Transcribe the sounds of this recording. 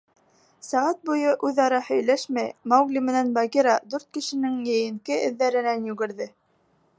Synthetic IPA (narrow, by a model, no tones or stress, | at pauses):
sæʁæt̪̚bujɤʔʉðɑɾɑhɵ̆jlæʃmæjmɑwɡlʲimɘ̆nænbɑɡʲiɾɑd̪ʉɾt̪̚kɘ̆ʃɘ̆nɘŋjɘ̆jɘ̆ŋkɘʔɘ̆ðːæɾɘ̆nænjʉɡɘ̆ɾðɘ